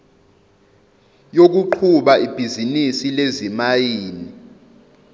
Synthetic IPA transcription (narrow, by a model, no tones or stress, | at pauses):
jok̬uǃʰuɓaib̥ʱizinisilezimajiːni